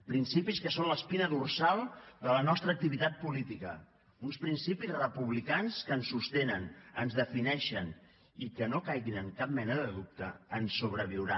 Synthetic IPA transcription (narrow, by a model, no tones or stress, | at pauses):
pɾinsipiskəsonləspinəðursalˠd̪ələnɔst̪ɾək̚t̪iβit̪at̪̚pulit̪ikə | unspɾinsipizrəpuβlikanskənsːust̪enənənzðəfinɛʃən | ikənokajɣinəŋkap̚mɛnəðəðup̚t̪əːnsuβ̞ɾəβiwɾa